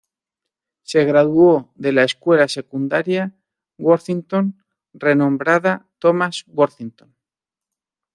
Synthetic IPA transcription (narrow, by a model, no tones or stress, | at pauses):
se̞ɣɾaðuoðe̞laeskwe̞lase̞kund̪aɾja | ɡwoɾθint̪o̞n | re̞nõ̞mbɾaðat̪omazwoɾθint̪on